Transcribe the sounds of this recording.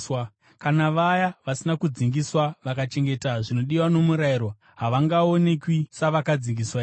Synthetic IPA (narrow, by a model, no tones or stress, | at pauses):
wa | kanaʋajaʋasinakud͡ziŋɡiswaʋakat͡ʃe̞ŋɡe̞taʐino̞ɗiwano̞muɾaiɾo | ɦaʋaŋɡaonekwisaʋakad͡ziŋɡiswai